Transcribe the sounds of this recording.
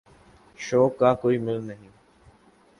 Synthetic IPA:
ʃoːkːaːkoːiːmɪlnəɦĩː

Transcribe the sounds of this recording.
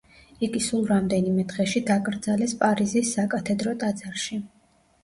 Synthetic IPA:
iɡisulˠɾamd̪ɛnimɛd̪ʁɛʃid̪akʼɾd̪zalɛspʼaɾizisːakʼat̪ʰɛd̪ɾɔt̪ʼad̪zaɾʃi

